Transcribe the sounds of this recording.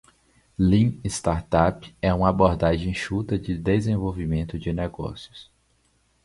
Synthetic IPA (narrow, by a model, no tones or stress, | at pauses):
lĩɪst̪aɾt̪apɛũmɐaboɾd̪aʒẽj̃ʃut̪ɐd͡ʒɪd̪ezẽvowvimẽnt̪ʊd͡ʒɪnɛɡɔ̰sjʊs